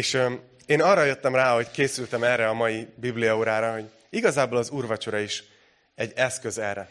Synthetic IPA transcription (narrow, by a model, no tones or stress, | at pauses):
eːʃø | eːnɒrːɒjøt̪ːɛmraːɦo̞ckeːsylt̪ɛmɛrɛɒmɒjibiblijɒoːɾaːɾɒɦo̞ɟ | iɡɒzaːboːlɒzuːrvɒt͡ʃo̞ɾɒiʃ | ɛɟːɛskø̞zɛrɛ